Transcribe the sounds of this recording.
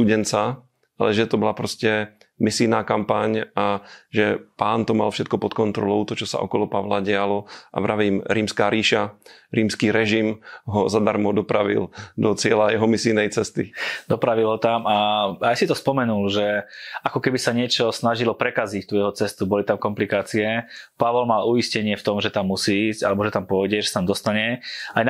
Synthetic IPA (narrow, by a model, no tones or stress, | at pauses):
st̪uɟɛnt͡sa | alɛʒɛt̪ɔbɔlapɾɔscɛ | misiːnaːkampaɲaʒɛpaːnt̪ɔmalfʃɛt̪̚kɔpɔt̪kɔnt̪ɾɔlɔʊt̪ɔt͡ʃɔsa̰ʔɔ̰kɔlɔpaʋlaɟɛalɔʔa̰vɾaʋiːmɾiːmskaːɾiːʃaɾiːmskiːɾɛʒimɦɔzad̪aɾmɔd̪ɔpɾaʋḭld̪ɔt͡sɪɛlajɛɦɔmisiːnɛjt͡sɛst̪id̪ɔpɾaʋilɦɔt̪amaajsit̪ɔspɔmɛnulʒɛakɔkɛbisaɲɪɛt͡ʃɔsnaʒilɔpɾɛkazict̪uːjɛɦɔt͡sɛst̪ubɔlit̪amkɔmplikaːt͡siɛpaʋɔlmaːlujiscɛɲɪɛft̪ɔmʒɛt̪amːusiːiːzca̰lɛbɔʒɛt̪ampɔjɟɛʒɛsat̪amd̪ɔst̪aɲɛajn